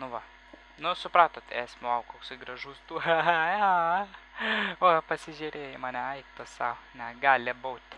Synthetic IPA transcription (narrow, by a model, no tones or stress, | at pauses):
nʊʋɐ | nʊsʊpɾɑːt̪oːt̪æːsʲmʲʊɐʊkoːksɐɪɡɾɐʒuːst̪uːjo | oːpɐsʲɪʒʲɛɾʲeːjɛmɑːnʲɛɐɪkt̪oːsɑnʲɛɡɑːlʲɪboːt̪ʲ